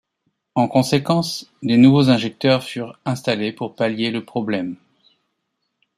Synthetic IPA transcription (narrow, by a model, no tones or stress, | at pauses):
ɑ̃kɔ̃sekɑ̃sd̪enuvozɛ̃ʒɛk̚t̪œʁfyʁɛ̃st̪alepuʁpaljeləpχɔblɛm